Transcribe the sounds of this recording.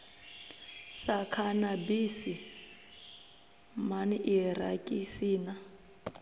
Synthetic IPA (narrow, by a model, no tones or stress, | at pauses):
sakʰanabisi | maniʔirakʼisiːna